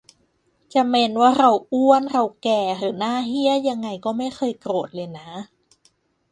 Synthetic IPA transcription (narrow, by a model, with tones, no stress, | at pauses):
t͡ɕa˨˩me˧nwaː˥˩ɾa˧wʔu˥˩ənɾa˧wkɛː˨˩ɾɯː˩˦naː˥˩ɦi˥˩əjːa˧ŋːa˧jkɔː˥˩ma˥˩jxɤː˧jkɾoː˨˩t̪̚lɤː˧jna˦˥